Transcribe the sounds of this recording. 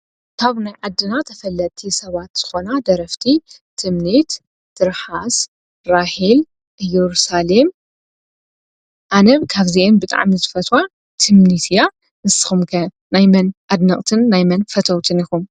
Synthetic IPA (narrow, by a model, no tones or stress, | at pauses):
kʰaβnajʕad̪ːɨnat̪ʰɐfɐlːɐt̪ʰisɐβat̪z̥ɨxo̞nad̪ɐɾɐft̪ʰit̪ʰɨmnit̪ | d̪̥ɨɾħas | ɾahil | ʔɨjɛɾusalem | ʔanɐβkʰaβziʔembɨt̪ʼa̰ʕmizɨfɐt̪wa | t̪ʰɨmnnit̪ja | ɨssɨ̥xɨmkʰɐ | najmɐnʔad̪nɐkʼt̪ʰɨnːajmɐnfɐt̪ʰɐwt̪ʰɨnixum